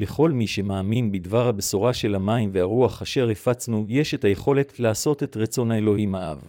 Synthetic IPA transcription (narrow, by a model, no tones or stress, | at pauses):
le̞χo̞lmiʃe̞maːminbidvaʁhabesoʁaʃe̞lamaimveaʁuaχaʃe̞ʁefat͡snujeʃe̞thaje̞χo̞le̞tlaːso̞te̞tʁat͡so̞naelo̞himhaʔa̰v